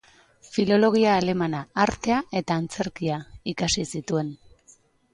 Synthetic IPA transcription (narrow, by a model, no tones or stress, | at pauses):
filo̞lo̞ɣ̞iaːle̞manaːɾt̪e̞ae̞t̪aːnt͡se̞ɾkiaikasisit̪ue̞n